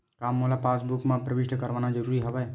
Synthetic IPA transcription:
kaːmːoːlapaːs̬bʊkmãpɾəʋɪʃʈəkəɾʋaːnad͡ʒəɾuːɾiɦəʋɛː

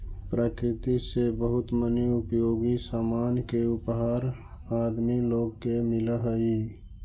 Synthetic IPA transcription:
pɾaːkɾɪt̪isebəɦʊt̪məniʊpjoːɡisaːmaːnkeʊpɦaːɾ | aːd̪miloːɡkemɪləɦəi

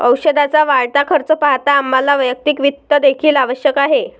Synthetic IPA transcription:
əwɕəd̪at͡saʋaɭt̪akʰəɾt͡səpaɦt̪aːmːalaʋəjək̚t̪iːkʋit̪ːəd̪ekʰiːlaʋəɕjəkaɦe

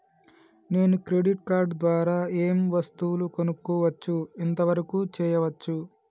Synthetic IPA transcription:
ne̞ːnukɾe̞ɖiʈkaːɾɖd̪ʋaːɾaːeːmʋɐst̪uulukonukːuːʋɐt͡ʃːuint̪ɐʋɐɾɐkuːt͡ʃɛːjɐʋɐt͡ʃːu

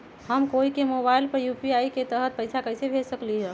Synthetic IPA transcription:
həmkoikemobailpəɾjupiaiket̪əɦət̪̚pəɪsakəɪsebʱesəkliɦɛ̃

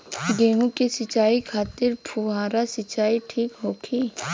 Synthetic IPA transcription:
ɡeːɦũkisɪt͡ʃaːikʰaːt̪ɪɾpʰuɦãːɾasɪt͡ʃaːiʈʰiːkɦoːkʰiː

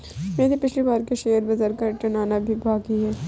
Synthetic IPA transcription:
mɛ̃ːd̪ipɪt͡ʃʰlibaːɾkeʃeːəɾbɐzəɾkɐɾʈɐnaːnabʱibʱaːɡiɦɛː

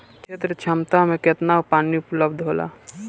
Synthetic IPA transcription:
kʰeːt̪ɾət͡ʃʰamt̪amẽket̪naʊpaːniʊpləbd̪ʱɦoːla̰ː

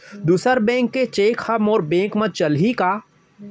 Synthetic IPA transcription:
d̪uːsəɾbɛ̃ːŋkːet͡ʃeːkhɐmɔːɾbẽːŋkmɐt̪̚t͡ʃɐlɦikaː

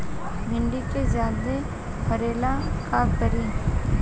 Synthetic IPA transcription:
bʱɪɳɖikezaːld̪e | pʰəɾeːlakaːkbəɾiː

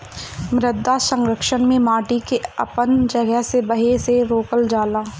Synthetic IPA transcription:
mɾɪd̪asə̃ŋɡɾəkʃənmẽmaːʈikeɐ̰pənd͡ʒɐɡəɦsebɐɦeseɾoːkəld͡ʒaːlaː

